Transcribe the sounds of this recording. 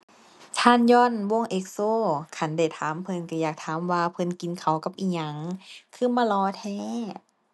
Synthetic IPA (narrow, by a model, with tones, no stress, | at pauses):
t̪ʰaː˧˥˨njɔː˧˥˨nwo˧˥˨ŋʔe˧˦k̚soː˧˩˨kʰa˧˥nda˧˩jt̪ʰaː˨˦mpʰɤ˧˨nka˧˩jaː˨˩k̚t̪ʰaː˨˦mwaː˧pʰɤ˧˨nki˨nkʰa˨˩wka˧˦p̚ʔiː˧˩ɲa˧˦ŋkʰɯː˧˥˨maː˧˨lɔː˧˦t̪ʰɛː˧˩˨